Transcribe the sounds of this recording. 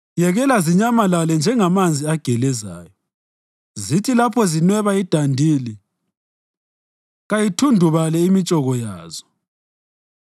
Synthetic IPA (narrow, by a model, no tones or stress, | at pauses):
jɛɣɛlaziɲamalalɛnd͡ʒʱɛŋamand͡zʱiaɡ̥ʱɛlɛzaːjɔ | zitʰilapʰɔzinwɛβaid̥ʱandʱiːli | ɣajitʰundʱuβalɛimit͡ʃʼɔɣɔjaːzɔ̥